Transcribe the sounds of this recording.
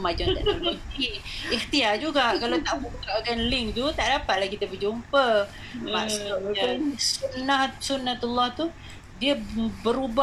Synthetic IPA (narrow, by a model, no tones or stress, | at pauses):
mad͡ʒɔt̪aʔaitiiht̪iaʔd͡ʒuɡaʔkalawt̪aʔbukaʔkanliŋt̪ut̪aʔdapat̪̚lahkit̪əbəd͡ʒumpə | masasunːahsunːat̪ulːaht̪u | diəbəɾuba